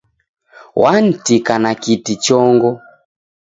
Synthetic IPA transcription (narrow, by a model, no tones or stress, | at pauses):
wʔan̩tikanakitit͡ʃɔŋɡɔ